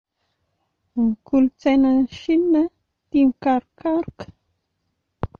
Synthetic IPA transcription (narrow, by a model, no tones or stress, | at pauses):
ŋkult͡senaʃina | t̪iŋkaɾkaɾk